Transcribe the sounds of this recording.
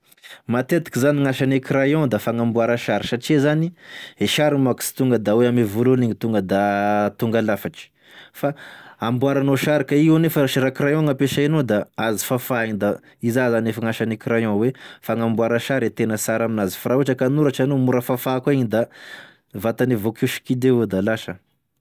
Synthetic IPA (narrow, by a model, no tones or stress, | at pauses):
mat̪et̪i̥kizaniŋaʃanekɾajɔ̃d̪afaŋãmbuaɾaʃaɾi̥ʃaʈ͡ʂizanieʃaɾimaki̥si̥t̪uŋɡəd̪aweamevululiɲit̪uŋɡəd̪at̪uŋɡalafaʈ͡ʂi̥ | faambuaɾanoʃaɾikaianefəaʃiɾakɾajɔ̃ŋapeʃainod̪aazi̥fafaind̪a | izazanefaŋaʃanikiɾajɔ̃wefaŋambuaɾaʃaɾet̪enəsaɾaminazi̥fɾauʈ͡ʂəkanuɾaʈ͡ʂanomuɾəfafakaiɲd̪a | vat̪anivokuʃi̥kid̪ewod̪alaʃə